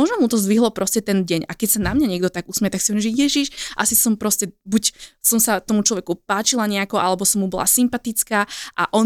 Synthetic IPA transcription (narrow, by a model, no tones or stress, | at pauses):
ɔʒnɔmut̪ɔzʋiɦlɔpɾɔscɛt̪ɛnɟɛɲakɛcsanamɲaɲɪɛɡd̪ɔt̪aɡusmɛɛt̪aksiɔɲɛʒijɛʒiʃʔa̰sisɔmpɾɔscɛbucsɔmsat̪ɔmut͡ʃlɔʋɛkupaːt͡ʃilaɲɛakɔʔalɛbɔsɔmːubɔlˠa̰simpat̪it͡skaːʔa̰ʔɔ